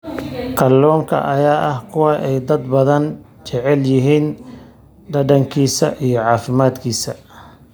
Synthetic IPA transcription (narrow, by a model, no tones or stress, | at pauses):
qʰɐlːɔːŋkʰɐ̰ʔɐjaːʔɐhkʰʊwɑʔɛjd̪ɐd̪bɐðɐn | t͡ʃɛʕɛljɪɦiːn | ɖ̪ɐɖɐŋkʰiːsɐʔijɞʕɑːfɪmaːd̪kʰiːsɐ